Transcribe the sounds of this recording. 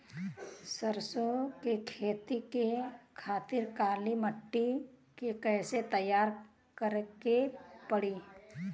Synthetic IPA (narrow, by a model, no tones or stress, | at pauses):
səɾsokekʰeːt̪ikekʰaːt̪ɪɾkaːliməʈːikekɛːset̪əjaːɾ | kəɾkepəɽiː